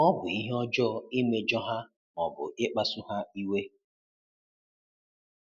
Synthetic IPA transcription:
ɔ˦bʊ˨i˦ɦe˦ɔ˦d͡ʒɔ˦i˦me˨d͡ʒɔ˦ɦa˦ | mɔ˨bʊ̰˨ɪ˦k͡pa˦sʊ˦ɦa˦i˦we˦

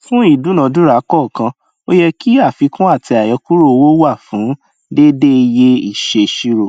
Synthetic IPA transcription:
fũ˦i˦˨dũ˨˦nã˨˧˦dũ˦ɾa˨˦kɔ˦˨kã˧ | o˦jɛ˧ki˦a˦˨fi˨˧˦kũ˦a˦˨tʰi˧a˨jɔ˨˧˦ku˦ɾo˦o˧wo˦wa˦˨fũ˨˦ | de˦de˦˧je˦i˦˨ʃe˧˨ʃi˦ɾo˨

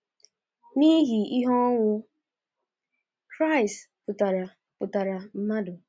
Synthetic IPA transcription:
ni˦ɦi˨i˦ɦɔ˦ŋʷʊ˦ | kɾa˦˨ɪ˨st | pʊ˨ta˨ɾa˨ | pʊ˨ta˨ɾa˨m̩˦ma˦dʊ˨

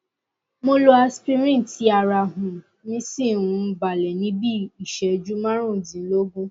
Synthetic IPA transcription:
mo˧lo˧a˧spi˦mĩ˦˨ti˨˦a˧˨ɾa˨ɦũ˨ | nĩ˦si˦˨ũ˨˧˦ba˨lɛ˨nĩ˨˦bi˦i˨ʃɛ˨d͡ʒu˦mã˦ɾ̃ũ˦˨dĩ˨n̩˦lo˦ɡũ˦

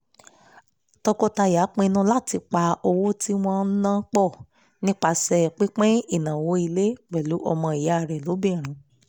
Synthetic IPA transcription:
tɔ˧kɔ˦ta˧ja˨˦k͡pẽ˧nũ˧˦la˦˨ti˧k͡pa˧o˧wo˦ti˦w̃ɔ̃˦n̩˦nãː˦k͡pɔ˦˨ | nĩ˦k͡pa˧sɛ˧˨k͡pi˦k͡pẽ˦i˦˨nã˨wo˨˧˦i˧le˦k͡pɛ˨lu˨˦ʔɔ̰˧mɔ̃˧i˨ja˨˦˧ɾɛ˨lo˨˦bĩ˦˨ɾ̃ũ˨˦

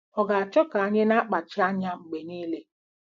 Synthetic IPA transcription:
ɔ˨ɡa˨a˨t͡ʃɔ˦ka˨a˦ɲe˦na˦k͡pa˨t͡ʃɪ˦a˦ɲa˦ŋ͡m̩˨ɡ͡be˨niː˦le˦

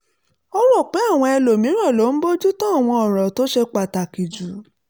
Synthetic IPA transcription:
ɔ˦wɔ˦˨k͡pe˨˦a˦˨w̃ɔ̃˧ɛ˧lo˨mĩ˨˦ɾ̃ɔ̃˦˨lo˨˦n̩˦bo˦d͡ʒu˦tɔ̃˦a˦˨w̃ɔ̃˧ɔ˨ɾ̃ɔ̃˨to˨˦ʃe˧k͡pa˨ta˨ki˨d͡ʒu˨

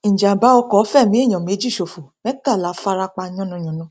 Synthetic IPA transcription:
ĩ˨d͡ʒa˨ba˨˦ɔ˧kɔ˨˦fɛ˦˨mĩ˨˦e˦˨j̃ɔ̃˨m˨e˨˦d͡ʒi˦˨ʃo˨fo˨mɛ˦ta˦˨la˨˦fa˧ɾa˧k͡pa˧ɲ˦ɔ̃˦nũ˧ɲ̃ɔ̃˨nũ˧

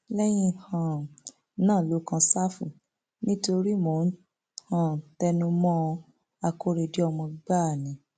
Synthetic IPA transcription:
lɛ˦j̃ĩ˧hã˨ | nãː˦˨lo˨˦kã˧sa˦fṵ̃˨ | nĩ˦to˧ɾi˦mo˨˦˨ | hã˨tɛ˧nũ˧mɔ̃˦˧ | a˧ko˧ɾe˧di˨˦ɔ˧mɔ̃˧ɡ͡ba˦˨nĩ˨˦

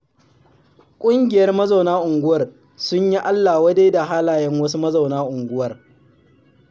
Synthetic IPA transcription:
kʷʼʊ˦ŋɡʲɪ˨jɐ˦rmɐ˦za˨wnaː˦ʔʊ˨ŋɡʷʊ˦wɐ˨r | sʊ˦ɲji˦ʔa˦lːa˨wɐ˦de˦jda˨ɦaː˦laː˨jɛ˦ŋwɐ˦su˦mɐ˦za˨wnaː˦ʔʊ˨ŋɡʷʊ˦wɐ˨r

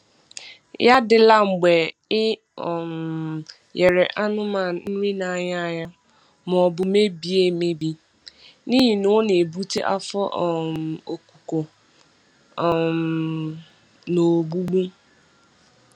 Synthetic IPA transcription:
ja˦dɪ˨la˦ŋ͡m̩˨ɡ͡bɛ˨ | ɪ˦˨ | m | jɛ˨ɾɛ˨ʔa˦nʊ˦ma˨n̩˦ɾi˦na˨a˨ɲa˦˨ja˦ | m˨bʊ˨me˦bi˨e˦me˦bi˦ | nĩ˦ɦi˨nʊ˦ne˨e˨bu˦te˦ʔa̰˦fɔ˦ʔm˨o˨kʷu̥˨ko˨ | m | no˨ɡ͡bu˦ɡ͡bu˦

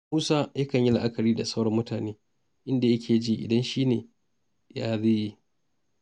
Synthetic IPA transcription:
muː˦saː˦jɐ˦kɐ˨ɲji˦la˦˨ʔa˦kɐ˨ɾiː˦da˨sɐ˦wɽɐ˦mːʊ˦taː˨neː˦ | ʔɪ˦nda˨jɐ˦kʲʰeː˨d͡ʒiː˦ʔɪ̰˨dɐ˦nʃiː˦neː˨ | jaː˦ði˦ji˦

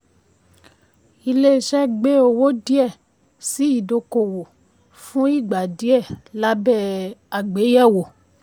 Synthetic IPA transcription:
i˧le˦˨ʃɛ˦ɡ͡be˦o˧wo˦di˦ɛ˦˨ | si˨˦i˦˨do˧ko˨wo˨ | fũ˦i˦˨ɡ͡ba˨di˨˦ɛ˦˨la˦bɛ˦˨a˨ɡ͡be˨˦jɛ˦˨wo˨

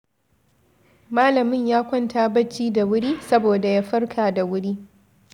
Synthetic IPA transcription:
maː˦lɐ˨mɪ˦ɲjaː˦kʷɐ˦ntaː˦bɐ˦t͡ʃːiː˦da˨wʊ˦ɽiː˦sɐ˦boː˨da˨jaː˦ɸɐ˦ɽkʰaː˨da˨wʊ˦ɽiː˦

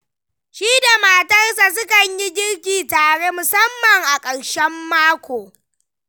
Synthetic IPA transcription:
ʃiː˦da˨ma˨tɐ˦rsa˨s̬ʊ˦kɐ˨ɲji˦d͡ʒʲɪ˦ɽkʲiː˨taː˨ɽe˦mʊ˨sɐ˦mːɐ˨ŋʔa˨kʼɐ˨ɽʃɛ˦mːaː˦kʷoː˨

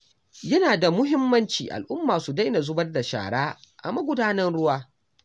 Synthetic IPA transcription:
jɐ˦naː˨da˨mʊ˦ɦɪ˦mːɐ˦nt͡ʃiː˨ʔa̰˨lʔʊ˦mːaː˨su˨da˦jna˨zʊ˦bɐ˦rda˨ʃa̰ː˨ɽaː˦ʔa̰˨mɐ˦ɡʷʊ˦daː˦nɐ˦nɽʊ˦waː˦

